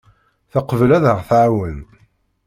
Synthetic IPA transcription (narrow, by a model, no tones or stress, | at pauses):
θɑqəvəlæðəʁθʕawən